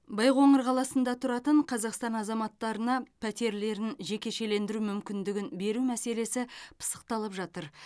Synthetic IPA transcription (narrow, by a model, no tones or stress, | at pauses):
bɑjʁo̞ɴəɾqʰɑlˠɑsənd̪ɑt̪ʰʊɾɑt̪əɴqʰɑzɑqst̪ɑnɑzɑmɑt̪ːɑɾənɑpʰæt̪e̞ɾle̞ɾɪnʒe̞kʲe̞ʃe̞le̞nd̪ɪɾumʏmkʲɪnd̪ɪɡʲɪnbe̞ɾumæse̞le̞sɪpʰə̥sə̥q̚t̪ɑlˠəpʒɑt̪əɾ